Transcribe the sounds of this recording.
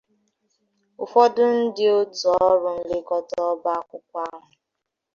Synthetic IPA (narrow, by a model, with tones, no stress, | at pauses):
ʊ˨fɔ˦dʊ˦n̩˦dɪ˦o˦tɔ˦ɾʊ˨n̩˦le˦kɔ˦tɔ˦ba˦kʷʊ˦kʷa˦ɾʊ˨